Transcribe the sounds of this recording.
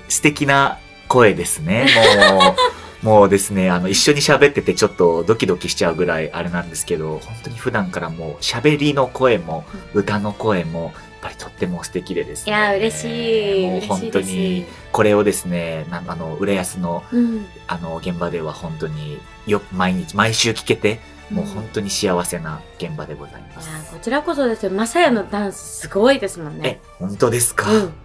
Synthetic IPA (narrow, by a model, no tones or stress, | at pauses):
sɨ̥t̪e̞kʲina | ko̞e̞d̪e̞sɨne̞mo | mo̞ːd̪e̞sɨne̞ano̞iɕːo̞ɲ̟iɕabe̞t̪ːe̞t̪e̞t͡ɕo̞t̪ːo̞d̪o̞kʲid̪o̞kʲiɕi̥t͡ɕaɯ̟ɡɯ̟ɾaiʔa̰ɾe̞nãnd̪e̞sɨ̥ke̞d̪o̞hõ̞nt̪o̞ɲ̟iɸɯ̟d̪ãŋkaɾamo̞ːɕabe̞ɾʲino̞ko̞e̞mo̞ɯ̟t̪ano̞ko̞e̞mo̞japːaɾʲi̥t̪ʰo̞t̪ːe̞mo̞sɨ̥t̪e̞kʲid̪e̞d̪e̞sɨ̥aɯɾeɕiːohõ̞nt̪o̞ɲ̟i | ko̞ɾe̞o̞d̪e̞sɨne̞nãano̞ɯ̟ɾajasɨno̞ | ano̞ɡẽ̞mbad̪e̞β̞ahõ̞nt̪oɲ̟i | jomaiɲ̟it͡ɕimaiɕɨːkʲi̥ke̞t̪e̞ | mo̞ːhõ̞nt̪o̞ɲ̟iɕiaβ̞ase̞na | ɡ̥ẽ̞mbad̪e̞ɡo̞za̰imasako̞t͡ɕiɾako̞so̞d̪e̞sɨnemasajano̞d̪ãɰ̃sɨ̥sɨɡo̞id̪e̞sɨmõ̞nːee | hõ̞nt̪o̞d̪e̞sɨ̥ka